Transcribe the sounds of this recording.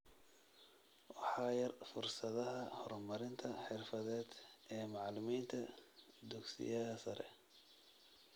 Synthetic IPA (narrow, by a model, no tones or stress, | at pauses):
wɑħɑːjɐrfʊrsɐðɐɦɐhɔrmɐɾɪnt̪ʰɐħɪrfɐðɛːd̪ʔɛːmɑʕlɪmiːnt̪ʰɐd̪ʊɡsɪ̰jɐðɐsɐɾʔɛ̰